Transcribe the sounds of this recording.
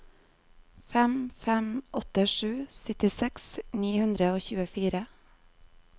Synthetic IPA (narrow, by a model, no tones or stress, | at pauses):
fɛmfɛmʔɔt̪əʂʉːsʏt̪ɪsɛksniːhʉnd̪ɾəoːçʉːəfiːɾə